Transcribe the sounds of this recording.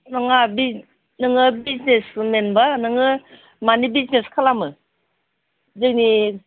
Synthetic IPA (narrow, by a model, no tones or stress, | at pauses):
nɯŋabi | nɯŋɯbiznesmenbanɯŋɯ | manibizneskʰalamɯ | zɯkni